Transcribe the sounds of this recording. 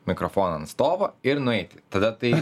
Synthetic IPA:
mʲɪkɾɔfoːnɐɐnst̪oːʋɐɪɾnʊɛɪt̪ʲɪ̥t̪ɐd̪ɐt̪ɐɪ

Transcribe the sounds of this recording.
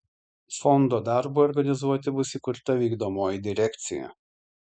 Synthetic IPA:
fɔnd̪oːd̪ɑɾbuɔɾɡɐnʲɪzuɔt̪ʲɪbʊsʲikʊɾt̪ɐʋʲiːɡd̪oːmoːjɪd̪ʲɪɾʲɛkt̪sʲɪ̰jɛ̰

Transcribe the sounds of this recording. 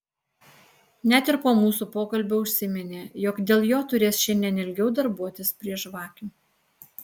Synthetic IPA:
nʲæt̪ɪɾpoːmuːsupoːkɐlʲbʲoːʊʃʲsʲɪmʲɛnʲeːjɔːkd̪ʲeːlˠjoːt̪ʊɾʲeːsʃʲɛnd̪ʲiɛnʲɪlʲɡʲɛʊd̪ɐɾbuɔt̪ʲɪspʲɾʲiɛʃʋɑːkʲu

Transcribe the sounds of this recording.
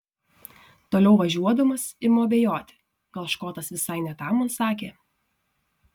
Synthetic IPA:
t̪oːlʲɛʊʋɐʒʲuɔd̪ɐmɐsɪmoɐbʲejoːt̪ʲɪ̥ | ɡ̥ɐlˠʃkoːt̪ɐsʋʲɪsɐɪnʲɛt̪ɑmʊnsɑːkʲeː

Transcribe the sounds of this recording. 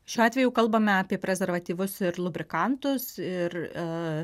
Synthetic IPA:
ʃʲuːɑːt̪ʲʋʲɛjʊːkɐlˠbɐmʲɛɑːpʲiɛpʲɾʲɛzʲɛɾʋɐt̪ʲiːʋʊsɪɾlˠʊbʲɾʲɪkɐnt̪ʊsɪr

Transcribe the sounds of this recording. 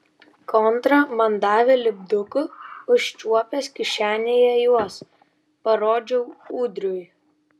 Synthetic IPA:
kʰɔnt̪ɾɐmɐnd̪ɑːʋʲɛlʲɪbd̪ʊkʊʊʃʲt͡ʃʲuɔpʲɛskʲɪʃʲæːnʲeːjɛjuɔs | pɐɾoːd͡ʒʲɛʊuːd̪ʲɾʲʊj

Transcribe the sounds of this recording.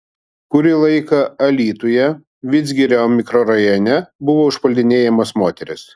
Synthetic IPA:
kʊɾʲɪlˠɐɪkɐɐlʲiːt̪ʊjɛ | ʋʲɪzʲɡʲɪɾʲɛmʲɪkɾɔɾɐjonʲɛbʊʋoʊʃpɐlʲd̪ʲɪnʲeːjɛmɐsmoːt̪ʲɛɾʲɪs

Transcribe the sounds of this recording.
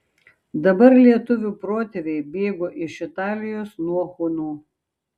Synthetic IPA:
d̪ɐbɐɾlʲiɛt̪ʊʋʲupɾoːt̪ʲɛʋʲɛɪbʲeːɡoːʔɪʃɪt̪ɑːlʲɪjoːsnuɔxʊnuː

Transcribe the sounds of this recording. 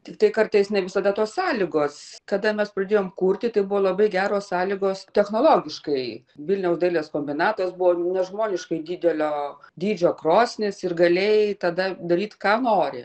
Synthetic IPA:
t̪ʲɪkt̪ɐɪkɐrt̪ɐɪsnʲɛʋʲɪsɐd̪ɐt̪oːssɑːlʲɪɡoːskɐd̪ɐmʲɛspɾɐd̪ʲeːjoːmkuːrʲt̪ʲɪt̪ɐɪbʊʋoːlˠɐbɐɪɡʲæːɾoːssɑːlʲɪɡoːst̪ʲɛxnoːlˠoːɡʲɪʃkɐɪ | ʋʲɪlʲnʲɛʊsd̪ɐɪlʲeːskoːmʲbʲɪnɑːt̪ɐsbʊʋoːnʲɛʒmoːnʲɪʃkɐɪdʲiːd̪ʲɛlʲoːd̪ʲiːd͡ʒʲoːkroːsʲnʲɪsɪrɡɐlʲeːjt̪ɐd̪ɐd̪ɐɾʲiːt̪kɑːnoːɾʲɪ

